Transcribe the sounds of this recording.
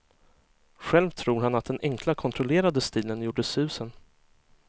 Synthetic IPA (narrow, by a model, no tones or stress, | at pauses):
ɧɛlvt̪ʰɾuːɾhanat̪̚d̪ɛnʔɛŋkʰlakʰɔnt̪ʰɾɔleːɾad̪əst̪iːlənjuːɖəsʉ̟ːsən